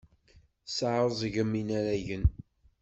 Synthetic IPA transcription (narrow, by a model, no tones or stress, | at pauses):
saʕɾˤəzˤʝəmːinæɾæʝən